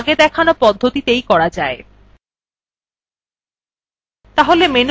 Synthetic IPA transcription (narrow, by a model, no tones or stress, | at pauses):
ɡed̪ɛkʰanopɔd̪ʱːot̪it̪ejkɔɽad͡ʑae | t̪aɦolemen